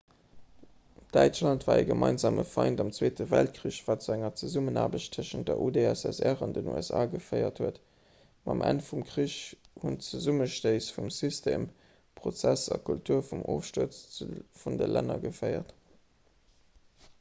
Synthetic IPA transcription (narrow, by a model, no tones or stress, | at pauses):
d̥æɪt͡ʃlɑntvaːəɡəmʔɑɪnzaːmʔəfɑɪntɑmt͡sweːtəvælt̚kʀiːɕv̥aːtt͡suæŋɐt͡səzumənaːbəɕttʰːəʃən̚dəʔudeæsɛsæʁɑndənṵæsaːɡəfəɪɐthuət | mɑmʔæ̰nfumkʁiɕ | hunt͡səzuməʃtəɪsfumsystʰeːm | pʁ̥ot͡sæsɑ̰kʰultʰuːɐfumʔoːfʃtuɐt͡sfundəlænɐɡəfɜɪɐt